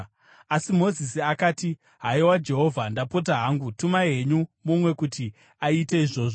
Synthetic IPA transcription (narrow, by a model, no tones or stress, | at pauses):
asimo̞zisiakaːti | ɦaiwad͡ʒe̞ɦo̞vʱandapo̞t̬aɦaːŋɡutumaɦe̞ɲumumwe̞kuti | aiteiʐo̞ːʐo